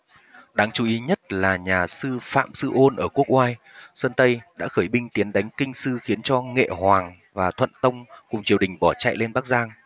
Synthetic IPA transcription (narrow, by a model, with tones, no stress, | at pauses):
ɗaː˨˦ŋt͡ɕu˨˦ʔi˨˦ɲə˦˥t̚laː˨˩ɲaː˨˩sɨ˧fa̰ː˧˨msɨ˧ʔo˧nʔəː˧˩ku˦˥ək̚ʔwaː˧j | səː˧nt̪ə˧jɗa̰ː˧˥xəː˧˩jɓï˧ŋ̟t̪i˨˦ənɗa˨˦jŋ̟kï˧ŋ̟sɨ˧xi˨˦ənt͡ɕɔ˧ŋḛ˧˨hwaː˨˩ŋ | vaː˨˩t̪ʰwə̰˧˨nt̪ə˧wŋ͡mkʊ˨˩ŋ͡mt͡ɕi˨˩əwɗï˨˩ŋ̟ɓɔ˧˩t͡ɕa̰˧˨jle˧nɓaː˦˥k̚zaː˧ŋ